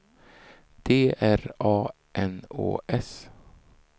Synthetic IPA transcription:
d̪̥eːʔæɾɑː | ʔɛno̰ːʔɛs

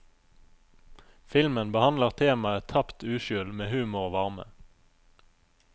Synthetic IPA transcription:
fɪlmənbəhɑnləʁt̪ʰeːmɑət̪ʰɑpt̪ʉːʃʏlmeːhʉːmʊʁoːʋɑʁmə̰

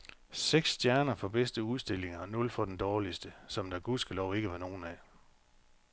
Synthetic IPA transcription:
seɡ̥sd̥jæɐnɐfɒ̽b̥esd̥əuð̞ˠsd̥e̝l̰e̝ŋɐɒnɔ̽lfɒ̽d̥end̥ɒːlisd̥əsɒ̽md̥æɡ̥usɡ̥əlɒʊ̰e̝ɡ̥əʋɑ̈no̝ːn̩æ

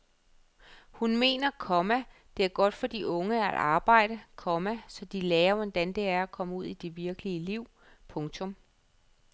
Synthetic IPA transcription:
hunme̝̰ːnɐkʰɒmæ | d̥e̝æɐɡ̥ɒ̽d̥fɒ̽d̥iʔɔ̽ŋəæd̥ɑ̈ːb̥ɑ̈ɪ̰ɾ̥əkʰɒ̽mæsɒ̽d̥ilɛːɐʋend̥ænd̥e̝æɐækʰɒ̽məuð̞̰ˠid̥e̝ʋiɐɡ̥əliəliʊ̰ | pʰɔ̽ŋt͡sʰɔ̽m

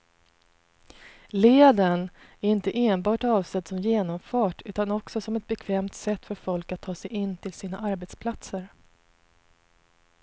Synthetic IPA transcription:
leːd̪ən | æɾɪnt̪əʔeːnbɑːʈɑːvsɛd̪sɔmjeːnɔmfɑːʈʉ̟ːt̪anɔksɔsɔmɛt̪̚bɛkʰvɛːmt̪sɛt̪ːfœɾfɔlkat̪ʰːɑːsɛjɪnːt̪ʰɪlsiːnaʔaɾbɛt̪spʰlat̪səɾ

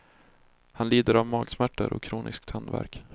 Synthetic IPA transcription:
hanliːd̪əɾavmɑːɡsmæʈːə̰ɾʔɔ̰kʰːɾuːnʔɪ̰skt̪hand̪væ̰ɾk

